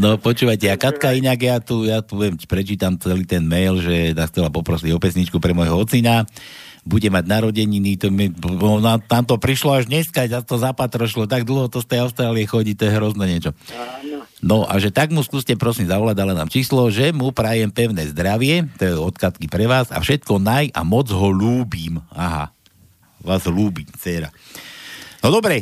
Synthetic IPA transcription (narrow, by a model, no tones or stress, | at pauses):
nɔpɔt͡ʃuːʋajcɛakat̪kainaɡjat̪ujat̪uɛmpɾɛt͡ʃiːt̪amt͡sɛliːt̪ɛnmɛjlʒɛnaxt͡sɛlapɔpɾɔsiɟɔpɛsɲit͡ʃkupɾɛmɔjɦɔɔt͡sina | buɟɛmaɟnaɾɔɟɛɲinit̪ɔmɛnat̪amt̪ɔpɾiʃlɔaʒɲɛskazat̪ɔzapat̪ɾɔʃlɔt̪aɡ̚d̪l̩ˠɦɔt̪ɔst̪ɛjaʊst̪ɾaːliɛxɔɟit̪ɔjɛɦɾɔznɛɲɛt͡ʃɔ | nɔʔa̰ʒɛt̪aɡmuskuːscɛpɾɔsiːmzaɔlad̪alana̰ːmt͡ʃiːslɔʒɛmupɾajɛmpɛʊnɛːzd̪ɾaʋɪɛt̪ɔjɛɔt̪kat̪kipɾɛʋaːsa̰fʃɛt̪̚kɔnaja̰mɔd͡zɦɔʎuːbiːmaɦa̰ | ʋaːzluːbimt͡sɛɾa̰ | nɔd̪ɔbɾɛ